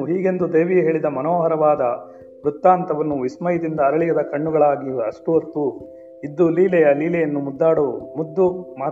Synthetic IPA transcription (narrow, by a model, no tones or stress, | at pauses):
ɦiːɡe̞nd̪ud̪eːʋijɐɦe̞ːɭid̪ɐmɐnoːɦɐɾɐʋaːd̪ɐ | ʋɾut̪ːaːnt̪ɐʋɐnːuʋismɐjid̪ind̪ɐːɾɐɭijɐd̪ɐkɐɳːuɡɐɭaːɡiɐʂʈuʋɐɾt̪ːu | id̪ːuliːlɛjɐliːlɛjɐnːumud̪ːaːɽumud̪ːumaː